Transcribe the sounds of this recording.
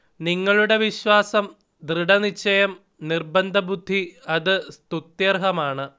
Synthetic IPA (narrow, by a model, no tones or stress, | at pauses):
niŋːɐɭuɽe̞ʋiɕwaːsɐm | d̪riɽɐnit͡ɕːɐjɐm | nirbɐnd̪ʱɐbud̪ʱːiɐðɨst̪ut̪jɐrɦɐmaːɳɨ